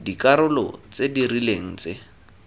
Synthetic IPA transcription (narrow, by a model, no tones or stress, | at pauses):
dikaɾʊlɔ̰t͡sedirileŋ̩t͡se